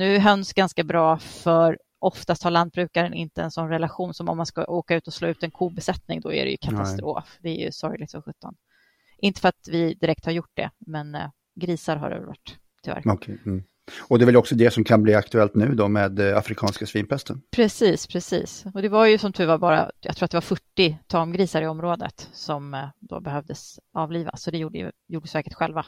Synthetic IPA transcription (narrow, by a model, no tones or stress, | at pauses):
nʉ̟ːɦœnsɡanskabɾɑːfœɾ | ʔɔft̪ast̪haɭand̪̚bɾʉ̟ːkaɾənɪ̰nt̪əɛ̰nsɔnɾɛlaɧuːnsɔmɔ̰mːanskaʔoːkaʉ̟ːt̪ɔsloːʉ̟ːt̪ɛnkʰuːbɛsɛt̪nɪŋd̪ɔæ̰ɾɛ̰jɵ̰kʰat̪ast̪ɾoːfd̪ɛæɾjɵ̰sɔɾjlɪɡ̚t̪fɔɧɵt̪ːɔn | ʔɪnt̪əfœɾat̪vɪd̪ɪɾɛk̚t̪haɾjʊʈ̚ːd̪ɛ̰mɛn | ɡɾiːsaɾɦa̰ɾɛ̰vɛlva̰ʈː | t̪ʰɪlvæ̰ɾ̩ʰ | ɔd̪ɛvɛlɔksɔd̪ɛsɔmkʰanbliːakt̪ɵɛlt̪nʉ̟ːd̪ɔmeːd̪a̰fɾɪkʰɑːnskasviːnpʰɛst̪ənpʰɾɛsiːspʰɾɛsḭːsɔd̪ɛvaɾjɵsɔmt̪ʰʉvaɾbɑːɾa̰jɑ̰kt̪ɾuːat̪ɛvaɾfœʈːɪt̪ʰɑːmɡɾiːsaɾɪɔmɾoːd̪ə̰t̪sɔmd̪o̰ːbɛɦœvd̪əsɑːvliːva̰sɔd̪ɛjuːɖəj̰juːɖəsæːɾkəʈɧɛlva